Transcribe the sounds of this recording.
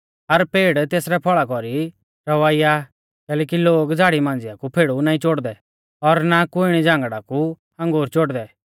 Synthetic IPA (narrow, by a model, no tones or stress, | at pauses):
ɐɾpeːɽt̪eːsɾɛpʰɔɭakɔɾi | ɾɐʋaːija | kɛːlɛːkiloːɡd͡zʱaːɽimãːnd͡zɪjakupʰeːɽunaːĩt͡ʃoːɽd̪ɛ | ɔɾnakʊɪɽ̃id͡ʒãːŋɡɽaku | ɐ̃ŋɡoːɾt͡ʃoːɽd̪ɛ